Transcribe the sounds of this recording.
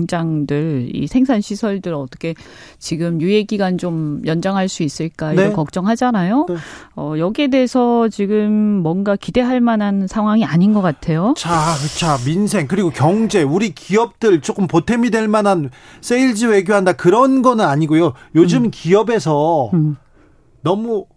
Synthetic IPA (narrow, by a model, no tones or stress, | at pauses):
ŋd͡ʑaŋdɯɭḭsʰe̞ŋsʰanɕʰisʰʌɭdɯɾʌt͈ʌ̥kʰe̞ | t͡ɕiɡɯmjujeɡiɡant͡ɕomjʌnd͡ʑaŋɦaɭs͈uis͈ɯɭk͈ainkʌk̚t͡ɕ͈ʌŋɦad͡ʑanajoʌjʌɡie̞deesʰʌt͡ɕiɡɯmːwʌnɡakide̞ɦaɭmanansʰaŋɦwaŋiaɲinɡʌk͈atʰe̞jot͡ɕakɯt͡ɕʰaminsʰe̞ŋkɯɾiɡokjʌŋd͡ʑe̞uɾikʰiʌp̚t͈ɯɭt͡ɕ͈ok͈ɯmpotʰe̞midwe̞ɭmanans͈eiɭd͡ʑiwe̞ɡjoɦandakɯɾʌnɡʌnɯnaɲiɡojojod͡ʑɯmkiʌbe̞s̬ʰʌ | nʌmu